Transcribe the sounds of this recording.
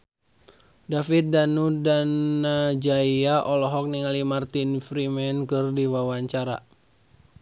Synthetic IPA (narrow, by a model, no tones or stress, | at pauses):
dafit̪̚danudanːad͡ʒaiaʔɔlɔɦɔk̚niŋalimart̪infɾimɛnkɨrdiwawaɲt͡ʃaɾa̰